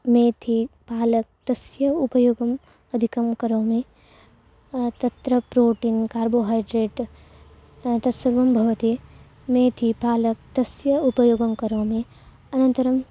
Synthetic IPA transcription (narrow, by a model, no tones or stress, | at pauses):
mẽːt̪ʰipaːlɐk̚t̪ɐsjɐupɐjoːɡɐm | ɐd̪ʱikɐmkɐɾõːmẽ | t̪ɐt̪ɾəpɾoːʈiːnkaːɾboːɦaːɪɖɾeːʈ | t̪ɐsɐɾʋɐmbʱɐʋɐt̪e | mẽːt̪ʰipaːlɐk̚t̪ɐsjɐupɐjoːɡɐmkɐɾõːmẽ | ɐnɐ̃nt̪ɐɾɐm